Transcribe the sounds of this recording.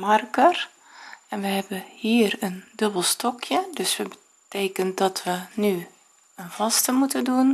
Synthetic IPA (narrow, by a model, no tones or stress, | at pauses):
markər | ɛnʋəɦɛbəhiːərəndøbəlˠstɔkʰjədøsʋəbə | teːkəndɔtʰʋəny | ənvɔstəmutədun